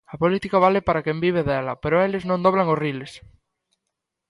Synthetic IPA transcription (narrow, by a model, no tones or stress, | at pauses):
ɐpolit̪ikaβalepaɾakembiβ̞eðɛlɐpeɾoeleznõnd̪oβ̞laŋosriles